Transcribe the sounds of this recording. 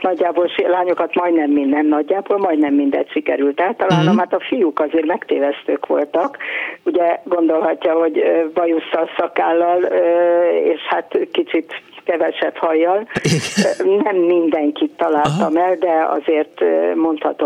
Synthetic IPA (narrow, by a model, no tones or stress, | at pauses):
nɒɟːaːbolʃilaːɲokɒt̪mɒjd̪nɛmːiɛmnɒɟːaːboːlmɒjd̪nɛmːind̪ɛ̰t̪ʃikɛ̰ɾylt̪aːlt̪ɒlaːnomhat̪ɒfijukɒzeːrmɛkt̪eːvɛst̪øːkʋo̞̰lt̪ɒkuɟɛɡo̞nd̪o̞lɦɒcːɒho̞ɟøbɒjusːɒsɒkaːlːɒløḛːʃhat̪kit͡ʃit̪kɛvɛʃɛphɒjːɒl | nɛmːind̪ɛŋkit̪ːɒlaːlt̪ɒmɛld̪ɛɒ̰zeːrt̪mo̞nt̪hɒ̰t̪o